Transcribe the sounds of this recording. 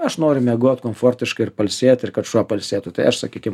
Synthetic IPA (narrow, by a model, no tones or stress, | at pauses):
ɐʃnoːɾʲʊmʲɛɡoɔt̪koːmfoːɾʲt̪ʲɪʃkɐɪɪɾpɐlʲsʲeːt̪ɪɾkɐt̪ʃuɔpɐlʲsʲeːt̪ʊt̪ɐɪɐʃsɐkʲiːkʲɪm